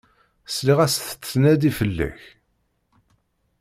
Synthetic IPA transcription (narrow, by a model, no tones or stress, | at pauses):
sliʁæsθə̥t͡sːnæd̪ifəlːæ̰ç